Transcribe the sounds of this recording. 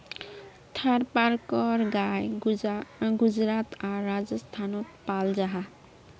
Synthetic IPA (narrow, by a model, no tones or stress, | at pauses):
t̪ʰaɾpaɾkɔɾɡaj | ɡud͡ʒɾat̪ʰaɾːad͡ʒɔst̪ʰanɔt̪̚pald͡ʒaɦa